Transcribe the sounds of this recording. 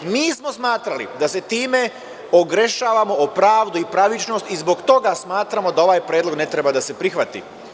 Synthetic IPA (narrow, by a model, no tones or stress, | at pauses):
miːsmo̞smaːt̪ɾalḭd̪ase̞t̪iːme̞ | oɡɾe̞ʃaːʋamoopɾaːʋd̪uipɾaʋit͡ʃno̞ːst̪izbo̞ɡt̪o̞ɡasmaːt̪ɾamo̞d̪ao̞ʋajpɾjeːd̪lo̞ɡne̞t̪ɾe̞bad̪asepɾixʋat̪ḭ